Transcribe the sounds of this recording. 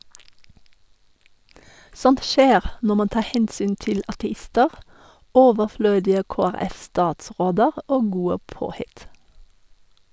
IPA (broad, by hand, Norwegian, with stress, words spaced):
ˈsɔnt ˈʃeːʁ ˈnɔ ˈmɑn ˈtɑː ˈhɛnsyːn ˈtɪl ɑtɛˈɪstəʁ ˈoːʋəˌfløːdɪə ˌkoːæˈʁɛfstɑːtˌsʁoːdəʁ ˈoː ˈɡuːə ˈpoːˌhɪt